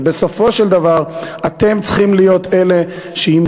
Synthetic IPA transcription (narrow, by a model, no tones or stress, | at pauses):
be̞so̞fo̞ʃeld̪avaʁat̪e̞mt͡sχimlijo̞t̪e̞le̞ʃeim